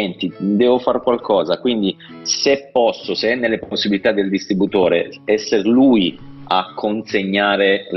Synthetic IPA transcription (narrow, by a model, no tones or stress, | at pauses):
ɛnt̪id̪ɛːvofarkwalkʰɔːzakwind̪i | sepːɔsːoseɛnːelːeposːibilit̪ad̪ːeld̪ist̪ɾibut̪oːɾeɛsːeɾlujakʰːonseɲːaːɾe